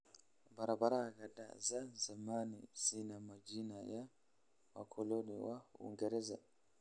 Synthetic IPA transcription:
baɾabaɾaɣada̰zazamanḭz̥inamad͡ʒinaja | wakʰɔlɔniwaṵŋɡɛɾɛza

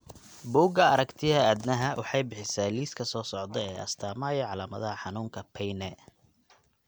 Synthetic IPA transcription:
buːɡɐɐɾɐkt̪ʰɪhɐæːd̪nɐɦɐwʔɑħɑjbɪħɪsaːliːskʰɐsɔːsɔʕd̪ɐɛːʔɐ̰st̪ʰaːmaːjɐʕɑlaːmɐðɐɦɐħɑnuːŋkʰɐpʰɛjnɛ

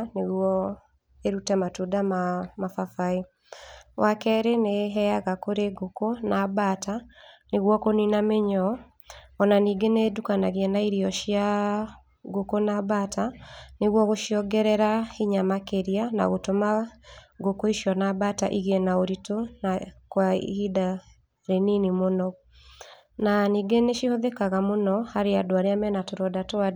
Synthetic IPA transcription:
neɣwɔ | eɾutɛmatudamamafafai | wʔakɛɾeneɦɛaɣakoɾeɡokonabataneɣwɔkoninameɲɔ | ɔnaniːɡenedukanaɣɛnaiɾiɔʃia | ɡokonabataneɣwɔɣoʃiɔɡɛɾɛɾahiɲamakeɾiana̰ɣotomaɡokoiʃiɔnabata̰ʔiɣɛnaoɾitonakwahida | ɾeninimonɔ | naniɡeneʃihoðɛkaɣamonɔhaɾeadoaɾeamɛnatoɾɔdatoa

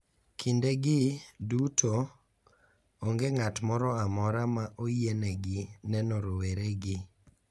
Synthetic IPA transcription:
kʰindeɡɪdutʰo | oŋɡeŋatmɔɾɔamɔɾamaʔojeneɡɪnɛnɔɾoweɾeɡɪ

